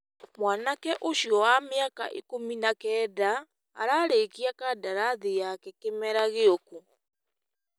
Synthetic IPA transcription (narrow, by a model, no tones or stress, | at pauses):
mwaːnakɛʔoʃiɔwameaka̰ʔḭkominakɛːda̰ː | ɾaɾekiakadaɾaðijakɛkemɛɾaɣeoko